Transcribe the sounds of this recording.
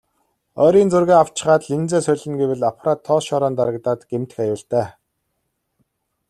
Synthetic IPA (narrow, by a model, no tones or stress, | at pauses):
ɔːɾiːnt͡sɵrɣeːaw̥t͡ɕɪ̆χaːt̪ɮint͡seːsœɮɪ̆ŋɡewɘ̆ɮapʰraːt̪ʰːɔːʃɔːɾɔːnt̪aɾə̆kt̪aːt̪ɡ̥em̥t̪ɘ̥̆xajʊːɬt̪æː